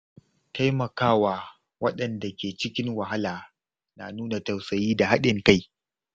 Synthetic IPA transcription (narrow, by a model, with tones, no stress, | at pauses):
ta˦jmɐ˨kaː˦waː˨ | wɐ˦ɗɐ˨nda˨kʲeː˨t͡ʃɪ˦kʲɪ˦ŋwa˨ɦa˦laː˨ | naː˨nuː˦na˨ta˨wsɐ˨jiː˦da˨ɦa˦ɗɪ˨ŋka˦j